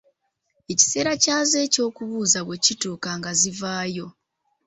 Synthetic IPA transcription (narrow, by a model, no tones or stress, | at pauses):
e̞ci̥se̞ːɾacaːze̞ːco̞ːkuβuːzaβwe̞cituːkaŋɡazivaːjo̞